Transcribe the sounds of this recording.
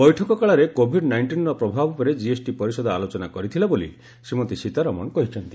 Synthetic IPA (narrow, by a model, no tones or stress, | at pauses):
bɔjʈʰɔkɔkaɭaɾekobʱiɖnajɳʈinɾɔpɾɔbʱabɔpɔɾed͡ʒiesʈipɔɾisɔd̪ʱɔalot͡ʃɔnakɔɾit̪ʰilabolḭ | semɔt̪isit̪aɾɔmɔ̰nkɔɦit͡ʃʰɔnt̪i